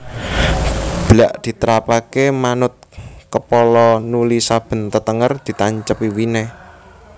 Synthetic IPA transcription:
b̥laʔd̪̥i̤t̪əɾapakemanʊt̪̚kəpɔlɔnulisab̥ə̤nt̪ət̪əŋərd̪̥i̤t̪aɲt͡ʃəpiwine

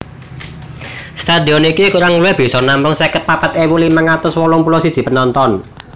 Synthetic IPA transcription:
st̪ad̪i̤ɔnikikuɾaŋuluwɛb̥i̤sɔnampʊŋsɛkət̪̚papət̪ewulimaŋat̪ʊswɔlɔŋpulɔsid̥ʒ̥i̤pənɔnt̪ɔn

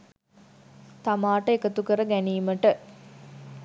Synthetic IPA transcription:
t̪amaːʈəekət̪ukəɾəɡæniːməʈə

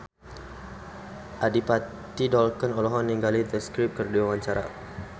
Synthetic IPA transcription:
ʔadipa | t̪idɔlkənɔlɔɦɔnːiŋɡalit̪əskɾip̚kərdiwawaɲt͡ʃaɾa̰

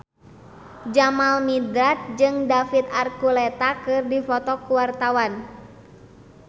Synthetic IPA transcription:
d͡ʒamalmidɾat̪̚d͡ʒɨŋdafit̪arkulɛt̪akɨrdifɔt̪ɔkuwart̪awan

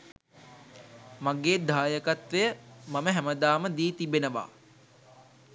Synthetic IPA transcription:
maɡeːd̪ʱaːjəkat̪ʋejəmaməɦæməd̪aːməd̪iːt̪ibenəʋa̰ː

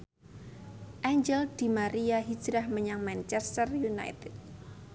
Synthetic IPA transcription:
ʔaɲd͡ʒɛld̪̥i̤maɾiaɦi̥d͡ʒɾahməɲaŋmant͡ʃɛst̪ərjuna̰jt̪ɪt̪̚

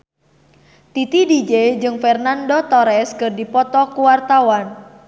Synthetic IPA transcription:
t̪it̪idid͡ʒed͡ʒɨŋfɛrnandot̪ɔɾɛskɨrdipɔt̪ɔkuwart̪awan

